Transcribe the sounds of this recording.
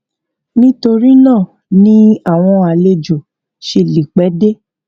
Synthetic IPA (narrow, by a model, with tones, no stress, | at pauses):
nĩ˦to˧ɾi˦nãː˦˨ | nĩ˦a˦˨w̃ɔ̃˧a˧˨le˧d͡ʒo˨ | ʃe˧li˨k͡pɛ˨˦de˦